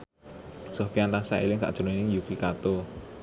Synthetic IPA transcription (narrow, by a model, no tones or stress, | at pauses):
sofiant̪asaḛlɪŋsa̰ʔd̥ʒ̥ɾonɪŋjukikat̪o